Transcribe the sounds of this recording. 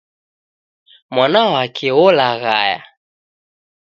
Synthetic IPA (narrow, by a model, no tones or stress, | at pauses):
mwanawakʰɛɔlaɣa̰ja̰